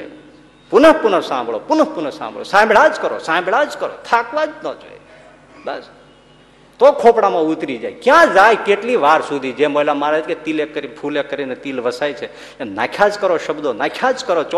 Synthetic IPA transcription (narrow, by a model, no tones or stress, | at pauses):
punəɦpunəɾsãmbʱɭo̰pʊnəɦpunəɾsã̰mbʱɭo̰sãmbɽad͡ʒkəɾo̰sãbɽad͡ʒkəɾo̰t̪ʰakʋad͡ʒnə̰d͡ʒo̰ːj | bəs | t̪okʰopɽamãut̪ɾid͡ʒa̰jkjãd͡ʒajkeʈliʋaɾsud̪ʱid͡ʒemolamaɾaket̪ilekːəɾipʰulekːəɾinet̪ilʋəsajt͡ʃʰe | ena̰ːkʰjad͡ʒkəɾoʃəbd̪onaːkʰjad͡ʒkəɾot͡ʃ